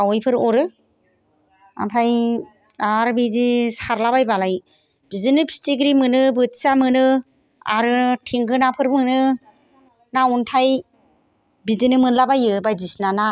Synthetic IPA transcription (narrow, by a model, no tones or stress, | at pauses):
awɔjpʰɯɾɔɾɯ | a̰mpʰɾaj | aɾbizisaɾlaβajbalaj | b̥izɯnɯpʰi̥stiɡɾimɯnɯbɯtsamɯnɯ | a̰ɾɯtʰiŋɡɯnapʰɯɾmɯnɯ | nauntʰaj | bizɯnɯmɯnlabajɯbajdisnana